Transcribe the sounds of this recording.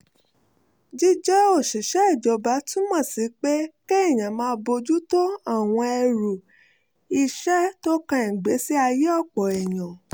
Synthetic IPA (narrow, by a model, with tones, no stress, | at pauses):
d͡ʒi˦d͡ʒɛ˦o˦˨ʃi˨ʃɛ˨˦i˦˨d͡ʒɔ˨˧ba˨˦tũ˦mã˦˨si˨˦k͡pe˦ke˦i˦˨j̃ã˨mãː˧˦bo˧d͡ʒu˦to˦a˦˨w̃ɔ̃˧ɛ˧ɾu˨ | i˧ʃɛ˦to˦kã˧˦i˨ɡ͡be˨˦si˦a˧je˦ɔ˦˨k͡pɔ˨ɛ˨j̃ã˨